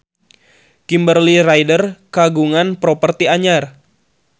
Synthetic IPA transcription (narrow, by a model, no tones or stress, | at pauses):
kimbərlirajdərkaɡuŋanpɾopərt̪iaɲar